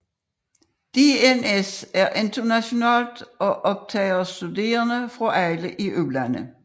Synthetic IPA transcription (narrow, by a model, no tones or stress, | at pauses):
d̪̥eːenesæɐʔɪnd̪ʰənæɕonɑːld̪̥ɒʔɔb̥̚t̪ʰɛɪɐsd̪̥ʉd̪e̝̰ːɐnəfʁɑʔæɪləʔiʔølænə